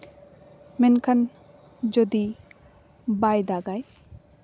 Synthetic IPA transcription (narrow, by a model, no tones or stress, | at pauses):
mɛnkʰan | d͡ʒɔd̪i | bajd̪aɡaj